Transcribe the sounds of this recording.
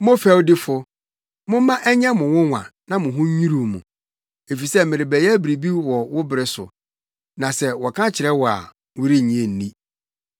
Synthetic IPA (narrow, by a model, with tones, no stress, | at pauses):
mʊ̃˦fɛ˦wdɪ˦fʊ˦ | mʊ̃˦m˦mã˦ʔɛ˦ɲɛ̃˦mʊ̃˨wʊ̃˦ŋʷã̰˨nã˦mʊ̃˨ɦʊ̃˦ɲ˦ɲĩ˦ɾu˨mʊ̃˨ | e˨fi˨sɛ˦mɪ̃˨ɾɪ˨bɛ˨jæ˦bi˨ɾi˨bi˦wɔ˨wʊ˦bɾɪ˨sʊ̰˨ | nã˨sɛ˦wɔ˨kʰã˦t͡ɕʰɪ˨ɾɛ˦wɔ˨a̰˨ | wʊ˦ɾi˦˨ɲĩ˦ẽ˦˨n̩˨nĩ˦